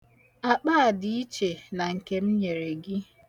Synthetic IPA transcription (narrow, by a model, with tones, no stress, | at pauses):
a˨k͡pa˦˨di˨i˦t͡ʃe˨na˨ŋ̩˨ke˨m̩˦ɲe˨ɾe˨ɡɪ˦